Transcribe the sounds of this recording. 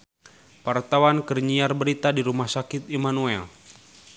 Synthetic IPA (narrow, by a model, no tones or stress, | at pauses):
wart̪awankərɲiarbəɾit̪adiɾumahsakɪt̪̚imanuɛl